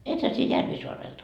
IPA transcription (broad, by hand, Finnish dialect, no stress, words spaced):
ethæ sie jærʋisoɑrelt